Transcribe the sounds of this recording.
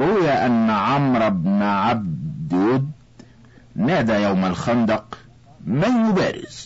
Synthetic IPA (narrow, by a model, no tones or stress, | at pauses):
ɾʊwjaʔanːaʕamɾˤɑbnʕab̚d̪ʊd̪ | naːd̪ajawmalxɑnd̪ɑq | manːʊba̰ːɾɪ̰z̥